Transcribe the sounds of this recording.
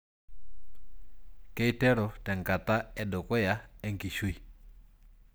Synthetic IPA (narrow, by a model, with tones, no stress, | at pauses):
kɛ˦i˦tɛ˦ɾɔ˨tɛ˨ŋka˨ta˦ɛ˨dɔ˨kɔ˦ja˨ɛ˦ŋki˨ʃwi˨